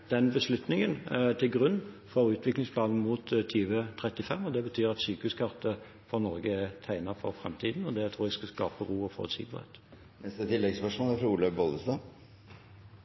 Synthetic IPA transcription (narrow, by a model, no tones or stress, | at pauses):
d̪̥ɛnbəslʉt̪nɪŋənt̪ʰɪlɡʁʉnː | fɔɾʉːt̪ʰʋɪklɪŋspʰlɑːnn̩muːt̪t̪ʰːyːʋət̪ʰʁɛt̪ːɪfɛmːɔd̪ɛbət̪ʰyːɾɑt̪syːkəʉskʰɑʁt̪ə | fɔʁnɔʁɡəɛt̪ʰæɪnəfɔɾfʁɛ̰mt̪ʰiːd̪n̩ɔd̪ɛt̪ʰɾuːʁæɡskɑskɑ̰ːpəʁuːɔfɔ̰ːt̪sḭːɡəʁhḛt̪ | nɛst̪ət̪ʰɪlːɛɡsʋæʂuːnæɾfɾɑuːləboːd̪əst̪ɑ